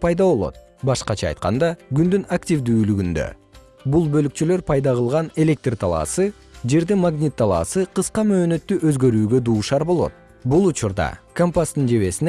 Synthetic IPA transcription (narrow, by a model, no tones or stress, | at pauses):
pʰɑjd̪ɑβo̞lˠo̞̰t̪̚ | bɑʃqɑt͡ʃʰɑ̰ːjt̪̚qɑnd̪ɑɡynd̪ynaktʲivd̪yːlyɡynd̪ø̰ | bulˠbø̞lykt͡ʃylø̞ɾpʰɑjd̪ɑʁɯlˠʁɑne̞lʲe̞k̚t̪rt̪ʰɑlˠɑ̰ːsɯ | d͡ʒe̞ɾd̪imaɡnʲit̪ːɑlˠɑ̰ːsɯqɯsqɑmø̞ːnø̞t̪ːyʔø̞zɡø̞ɾyːɡø̞d̪uːʃɑɾbo̞lˠo̞̰t̪̚ | bulˠut͡ʃuɾd̪ɑ̰kompast̪ɯnd͡ʒe̞βe̞sin